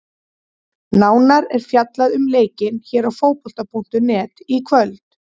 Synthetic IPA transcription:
naːwnaɾɛɾ̥fjat̪laðʏmleːjcɪnçɛːɾawfoːwpɔl̥t̪apʰun̥t̪ʏnɛːt̪ikʰvœlt̪

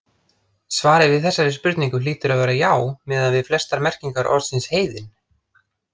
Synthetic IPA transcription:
svaːɾɪvɪðθɛsːaɾɪspʏɾt̪niŋkʏliːt̪ʏɾaðvɛːɾajaːwmɛːðaðvɪðflɛst̪aɾmɛr̥ciŋkaɾʔɔ̰ɾsɪnsheːjðɪn

